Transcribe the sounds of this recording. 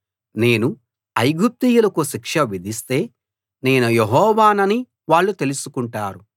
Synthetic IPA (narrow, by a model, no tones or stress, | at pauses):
ne̞ːnu | ɐjɡup̚t̪ijulɐkuʃikʂɐʋid̪ʱist̪e̞ː | ne̞ːnujeɦɔːʋaːnɐni | ʋaːɭːut̪e̞lusukuɳʈaːɾu